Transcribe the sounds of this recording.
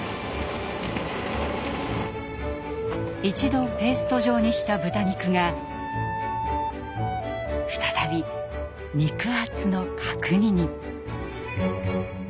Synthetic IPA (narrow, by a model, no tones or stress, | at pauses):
it͡ɕid̪o̞pe̞ːsɨ̥t̪o̞ʑo̞ːɲ̟iɕi̥t̪abɯt̪aɲ̟ikɯ̟ŋa | ɸɯ̟̥t̪ḁt̪abʲi | ɲʲikɯ̟at͡sɨno̞kʰakɯ̟ɲ̟iɲ̟i